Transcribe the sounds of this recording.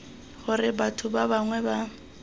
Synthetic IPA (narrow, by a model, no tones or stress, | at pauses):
χʊrɪbatʰʊbabaŋwɛba